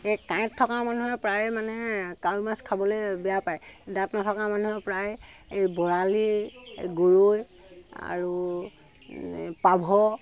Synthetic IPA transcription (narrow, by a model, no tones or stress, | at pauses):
ekãj̃tʰːɔkaɹmanuɦɛpɹajmanɛkawmaskʰabɔlojbɛjapajdatnatʰɔkamanuɦɛpɹajejbɔɹaliɡuɹoj | a̰ɹu | pabʱɔ